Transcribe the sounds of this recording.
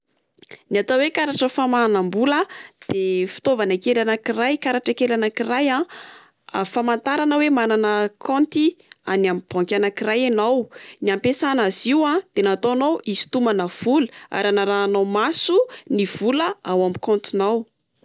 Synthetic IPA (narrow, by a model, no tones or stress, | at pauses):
niat̪awekaɾaʈ͡ʂəfamaanambuləd̪̥efi̥t̪ovanəkelanakirajkaɾaʈ͡ʂəkelanakiɾaja | famant̪aɾanəwemananəkʰɔnt̪ianamib̥ɔŋkʲanakirajanawniampesanaziwãd̪̥enat̪onowizi̥t̪umanəv̥uləa̰ɾanaɾaːnawmasuniv̥uləawamikɔ̃nt̪inaw